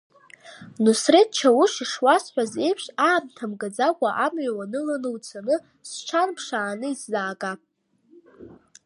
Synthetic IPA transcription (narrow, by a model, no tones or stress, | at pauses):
nusret̚t͡ʃʰawuʂiʂwasħʷᶣaze̞jpʰʂaːmtʰamɡad͡zakʷʼaʔamɥawanɨlanɨwt͡sʰanɨ | st͡ʃʷʰanpʰʂaːnɨizːaːɡʼa